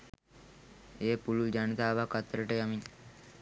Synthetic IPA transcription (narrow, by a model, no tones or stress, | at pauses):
eːpulud͡ʒanət̪aːʋakːat̪ːɾəʈəjamin